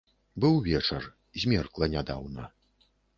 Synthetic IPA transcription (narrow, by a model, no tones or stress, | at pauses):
bɨwvʲɛt͡ʂɐr | zʲmʲɛrklˠɐnʲad̪awnɐ